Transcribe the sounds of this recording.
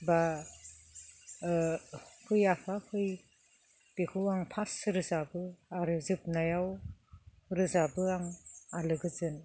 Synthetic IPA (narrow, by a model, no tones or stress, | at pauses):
ba | kʰɯjapʰakʰɯj | b̥ekʰɯwaŋpʰasɾɯzabɯaɾɯzɯp̚najaw | ɾɯzabɯaŋalɯɡɯzɯn